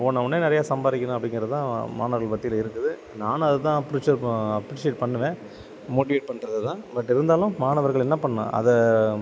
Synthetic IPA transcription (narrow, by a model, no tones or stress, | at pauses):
ɔnːɐʊnːeːnɪɾɐjaːsɐmbaːɾɪkʲːɐnʊ̃ɐpːɐɽɪ̃ŋɡɪɾɐðt̪ãːmaːnɐʋɐɾɣɐɭpɐt̪ːɪjɪlɐɪɾɯkːɯðɯ | naːnɐðɯt̪ãːɐpːɾɪt͡ʃːɐɾɐpːɾɪʂeːʈpɐɳːɯʋẽː | moːʈːɪʋeːʈ̚pɐɳɾɐðɯt̪ãːbɐʈːɪɾɯnd̪aːlʊ̃maːnɐʋɐɾɣɐɭɛnːɐpɐɳːã̰ʔɐ̰ðɛ